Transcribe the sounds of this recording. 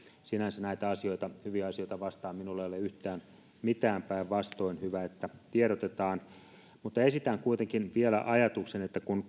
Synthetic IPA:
sinænsænæit̪æɑsioit̪ɑhyʋiæɑsioit̪ɑʋɑst̪ɑːmminulːejolːeyht̪æːn | mit̪æːmpæiʋʋɑst̪oinhyʋæet̪ːæt̪ieɾot̪et̪ɑːn | mut̪ːɑesit̪æŋkuit̪eŋkinʋielæ̰ʔɑjɑt̪uksenet̪ːækun

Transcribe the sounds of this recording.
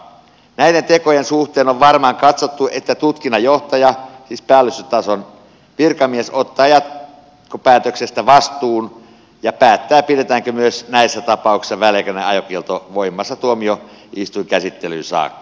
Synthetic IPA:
næiɾent̪ekojensuht̪eːnoʋʋɑrmɑːŋkɑt̪sot̪ːuʔet̪ːæt̪ut̪kinːɑjoht̪ɑjɑsiːspæːlːyst̪yt̪ɑson | ʋirkɑmiesot̪ːɑːjɑt̪ | kopæːt̪øksest̪æʋɑst̪uːn | jɑpæːt̪ːæːpiɾet̪æːŋkømyøsnæisːæt̪ɑpɑˑuksi̥sːɑʋælːekøneɑjokielt̪oʋoimːˑɑsːɑt̪uomio | ʔist̪uikæsit̪ːelynsɑ̰ːkːɑ̥

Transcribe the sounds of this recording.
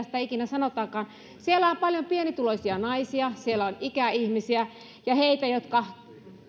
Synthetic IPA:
st̪æikinæsɑnot̪ˑɑːkɑːn | sielːæompɑljompienit̪uloisiɑnɑisiɑsielːˑæonikæihmisiæ | jɑheit̪æjot̪kɑ

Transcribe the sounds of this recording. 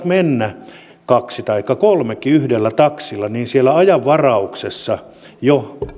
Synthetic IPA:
t̪menːæ | kɑksit̪ɑikːɑkolmekːiyhdelːæt̪ɑksilːɑniːnsielːˑæɑjɑʋːɑrɑuksesːɑ | jo

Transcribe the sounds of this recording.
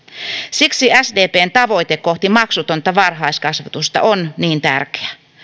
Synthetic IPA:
siksiæsdeːpeːnt̪ɑʋo̞it̪ekːoht̪imɑksut̪ont̪ɑʋɑrɦɑiskɑsʋɑt̪ust̪ɑ̰ʔonniːnt̪æ̰rke̥æ

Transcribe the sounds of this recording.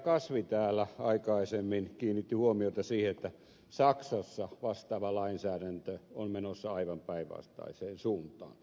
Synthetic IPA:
kɑsʋit̪æːlːæɑikɑisemːinkiːnːit̪ːihuomiot̪ɑsiːheet̪ːæ | sɑksɑsːɑʋɑst̪ɑːʋɑlɑinsæːɾænt̪øommenosːɑɑiʋɑmpæiʋʋɑ̰st̪ɑ̰iseːnsuːnt̪ˑɑ̰ːn

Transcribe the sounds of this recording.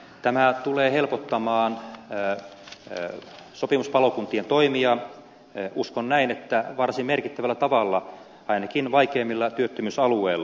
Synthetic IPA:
t̪æmæt̪uleːhelpot̪ːɑmɑːn | sopimuspɑlokunt̪ient̪oimiɑ | uskonnæinet̪ːæʋɑrsimmerkit̪ːæʋælːæt̪ɑʋɑlːɑ | ɑinɑkinʋɑikeːmːilːɑt̪yøt̪ːømysɑlueilːɑ

